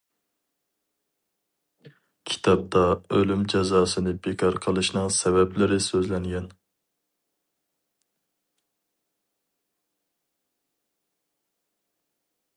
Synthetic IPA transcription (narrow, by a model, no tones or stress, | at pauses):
kʲʰi̥t̪ʰɑp̚t̪ɑølymd͡ʒɛzɑːsɨnɨbekʰɑɾqʰəlˠɨʃnɨŋsɛvɛplɪɾɪsøzlɛŋɡʲɛn